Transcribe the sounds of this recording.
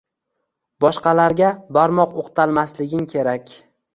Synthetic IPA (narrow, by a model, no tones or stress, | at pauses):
bɒʃqɑlaɾɡʲabaɾmɒqoqt̪ʰalˠmaslɪɡʲɪmkʲʰe̞ɾakʲ